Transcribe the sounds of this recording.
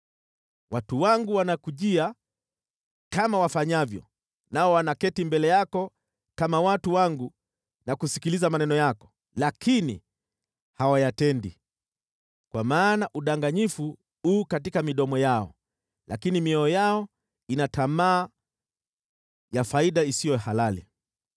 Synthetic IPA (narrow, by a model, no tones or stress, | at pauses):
watuwaŋɡuwanakuʄia | kamawafaɲavjɔ̰ | naɔwanakɛtimbɛlɛjakɔ | kamawatuwaŋɡu | nakusikilizamanɛnɔjakɔ̥ | lakʰinḭ | hawajatɛndḭ | kwamaːnaʔuɗaŋɡaɲifu | uːkatikamiɗɔmɔjaɔ̰ | la̰kinimiɔɔjaɔ | inatamaː | jafaiɗaisijɔhalalḭ